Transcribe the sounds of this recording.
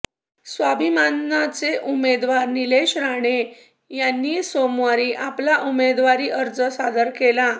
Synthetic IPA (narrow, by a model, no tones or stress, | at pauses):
sʋabʱimanːat͡seʔumed̪ʋaɾnileɕɾaɽ̃e | janːiːsomʋaɾiːʔaplaʔumed̪ʋaɾiːʔəɾd͡zəsad̪əɾkela